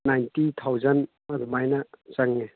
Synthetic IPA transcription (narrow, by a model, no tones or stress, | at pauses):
najntit̪ʰawzɐn | ɐdumajnɐsaŋne